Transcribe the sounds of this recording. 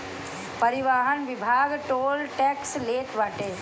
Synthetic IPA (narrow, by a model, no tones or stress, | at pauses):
pəɾɪʋaːɦənʋɪbʱaːɡʈoːlʈɛksleːt̪ʋaːʈeː